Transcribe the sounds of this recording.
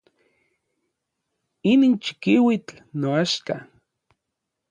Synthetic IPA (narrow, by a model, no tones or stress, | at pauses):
iniːnt͡ʃi̥kiwit͡ɬ | noaʃka